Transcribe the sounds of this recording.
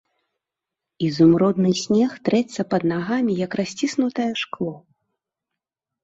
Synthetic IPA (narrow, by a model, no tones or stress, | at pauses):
izumɾɔd̪nɨsʲnʲɛxt̪ɾɛsːɐpɐd̪naɣamʲijɐkɾasʲt͡sʲisnut̪ɐjɛʂklˠɔ